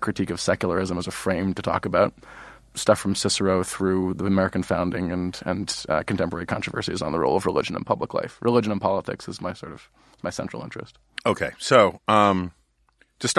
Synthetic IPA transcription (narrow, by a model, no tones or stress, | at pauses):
kʰɹ̥ɨtʰikʌv̥sɛkjl̩ˠə˞ɪzə̃mʌzɨfɹẽɪ̃mtʰɨtʰɔ̰kɨbaʊt̚ | stʌfɹʌ̃msɪsə˞oʊθɹʉðiɨmɛɹɨkn̩fãʊ̃ndɪ̃ŋɨ̃nɨ̰̃nkʰn̩tʰɛ̃mpə˞ɛɹikʰɑ̃nt͡ʃɹ̥əvɜ̰˞sḭzn̩ðəɹoʊlˠʌvɹəlɪ̰d͡ʒɨ̃nə̰̃npʰʌbləkla̰ɪfɹʔɨlɪd͡ʒɨ̃nə̃npʰɑlˠətʰɪ̰ksɨzmaɪsɔɹɾʌv̥ | maɪsɛ̃nt͡ʃɹ̥l̩ˠɪ̃nt͡ʃɹ̥ɨ̰st̚ | oʊkʰeɪsoʊ̃m | tʰɨst